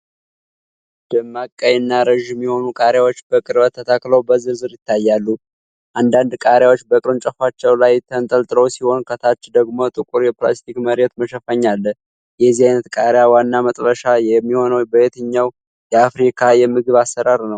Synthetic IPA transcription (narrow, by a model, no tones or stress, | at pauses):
d̪̥ɨmːakʼːəjnːaɾəʒɛmːiho̞nukʼaɾjawo̞t͡ʃːbəkʼɨɾbət̪ʰːət̪ʰakləwbəzɨɾzɨɾjɪt̪ːajːalːu | ʔand̪and̪kʼaɾjawot͡ʃːbəkʼɨɾɨnt͡ʃʼəfat͡ʃːɛwlajt̪ʰənt̪ʼəlt̪ʼɨɾəwsiho̞nkʰət̪ʰat͡ʃːd̪əɡmo̞t̪ʼɨkʼuɾjɛpla̰st̪ʰikməɾet̪məʃəfəɲːalːə | jɛzːihajnət̪kʼaɾjawanːamət̪ʼɾəʃajɛmːiho̞nəwbəet̪ʰɨɲːaw | jɛafɾikʰajɛmɨɡɨβasːəɾaɾnəw